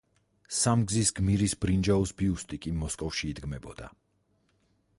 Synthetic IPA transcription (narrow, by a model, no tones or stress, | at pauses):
samɡzisɡmiɾisbɾind͡ʒausbiust̪ʼikʼimɔskʼɔfʃiːd̪ɡmɛbɔd̪̥a̰